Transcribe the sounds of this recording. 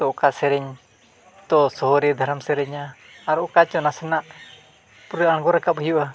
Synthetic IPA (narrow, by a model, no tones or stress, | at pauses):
t̪ɔkasɛɾɛɲ | t̪ɔsɔɦɔɾɛd̪ʱaɾamsɛɾɛɲaː | ɾɔkat͡ʃɔnasɛnaʔ | puɾəaɽ̃ɡɔɾakap̚ɦəjuʔa